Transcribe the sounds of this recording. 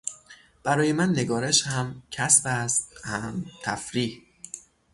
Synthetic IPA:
b̥æɾɒːje̞mænːe̞ɡɒːɾeʃhæmcʰæsbæst̪hæmt̪ʰæfɾiːh

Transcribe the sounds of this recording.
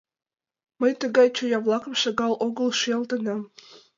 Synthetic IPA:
məjt̪ə̆ɣɑjt͡ɕojɑvlˠɑkə̆mʃɑɣɑlˠoɣə̆lˠʃjɑlˠt̪ə̆nɑm

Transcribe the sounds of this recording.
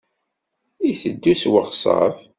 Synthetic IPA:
iθəd̪ːuswəʁsʁə̰f

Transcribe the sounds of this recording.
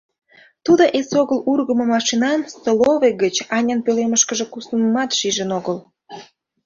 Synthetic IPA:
t̪ud̪oʔesoɣəlurɣəmŏmɑʃinɑnsoloveɡət͡ɕɑnʲənpøleməʃkəʒekusəməmɑt̪ʃiʒənoɣəl

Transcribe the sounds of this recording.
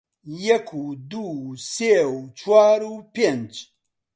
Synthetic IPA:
jɛkʰud̪uːseut͡ʃʰwaːɾuːpend͡ʒ

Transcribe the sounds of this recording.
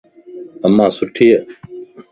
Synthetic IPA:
əmãːsʊʈʰiːe

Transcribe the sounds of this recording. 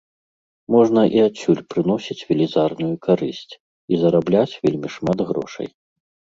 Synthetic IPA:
mɔʐnɐʔiat͡sʲːulʲpɾɨnɔsʲit͡sʲvʲɛlʲizarnujukʰaɾɨsʲt͡sʲ | izɐɾablʲat͡sʲvʲelʲmʲiʂmad̪ɣɾɔ̰ʂɐ̰j

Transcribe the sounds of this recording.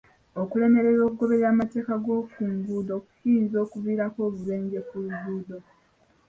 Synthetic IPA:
okule̞me̞ɾeɾo̞ːkuɡo̞βe̞ɾaːmate̞ːkaɡo̞ːfuːmɡudo̞ku̥hinzo̞ːkuviːɾako̞ːβuleːɲɟe̞kuubuːdo

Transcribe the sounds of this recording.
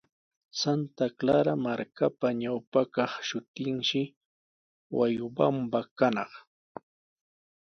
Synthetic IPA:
sant̪aklaɾamaɾkapaɲawpakɑχʃʊt̪ɪŋʃɪ | wa̰jʊbambakanɑχ

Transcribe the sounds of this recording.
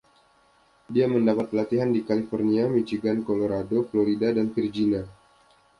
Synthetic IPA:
diaməndapat̪̚plat̪iɦandikalifɔrniamit͡ʃiɡankoloɾadofloɾidadanfird͡ʒina

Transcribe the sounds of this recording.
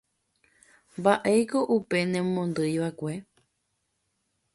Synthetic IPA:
mbaʔejko̞ʔupe̞nẽmõnd̪ɨjʋakʷe̞

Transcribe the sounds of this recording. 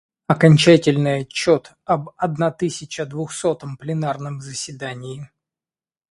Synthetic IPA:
ɐkɐnʲt͡ɕætʲɪlʲnɨjɐt͡ɕːo̞t̪ | ɐbɐd̪nat̪ɨsʲɪt͡ɕəd̪vʊxso̞t̪əmplʲɪnarnəmzəsʲvʲɪd̪anʲɪɪ

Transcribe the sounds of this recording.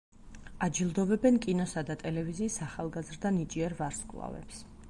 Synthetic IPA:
ad͡ʒilˠd̪ɔvɛbɛnkʼinɔsad̪at̪ʼɛlɛviziːsaχalˠɡazɾd̪anit͡ʃʼiɛɾvaɾskʼlˠa̰vɛ̰ps

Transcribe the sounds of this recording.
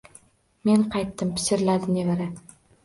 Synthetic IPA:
me̞nqʰɑjt̪ːɪmpʰɪ̥sɪɾlad̪ɪnevaɾɪ

